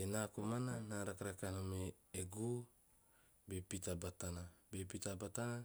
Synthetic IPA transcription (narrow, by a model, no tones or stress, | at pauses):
enakumananaɾakaɾakanomeeɡu | bepit̪abat̪anabepit̪abat̪ana